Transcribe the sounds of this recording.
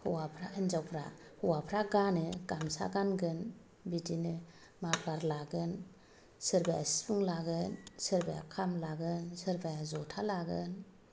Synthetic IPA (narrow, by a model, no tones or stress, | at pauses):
huwapʰɾainzawpʰɾa̰huwapʰɾaɡanɯɡ̥amsa̰ɡanɡɯn | bidinɯ | mapʰlaɾlaɡɯn | sɯɾbajasi̥bʰuŋlaɡɯnsɯɾbaja̰kʰamlaɡɯnsɯɾbajazɔtʰalaɡɯn